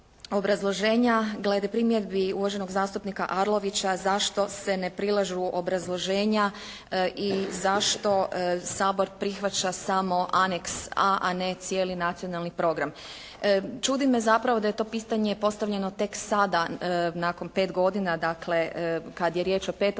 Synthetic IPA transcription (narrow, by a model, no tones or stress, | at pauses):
o̞bɾazlˠo̞ʒe̞ːɲaɡle̞d̪epɾimjed̪biuʋaʒe̞no̞ɡzaːst̪upnikaʔaɾlˠo̞ʋit͡ɕazaʃt̪o̞se̞nepɾilˠaʒuʔo̞bɾazlˠo̞ʒe̞ːɲa | ʔizaʃt̪o̞saːbo̞ɾpɾixʋat͡ɕasamo̞ʔaneksaʔanet̪sjeːlinat̪sio̞nalˠnipɾo̞ɡɾam | t͡ʃud̪ime̞zapɾaʋo̞d̪aje̞t̪o̞piːt̪aɲe̞po̞st̪aʋʎe̞no̞t̪e̞ksad̪anako̞npe̞ːt̪ɡo̞d̪inad̪akle̞kad̪je̞ɾje̞ːt͡ʃo̞pe̞ːt̪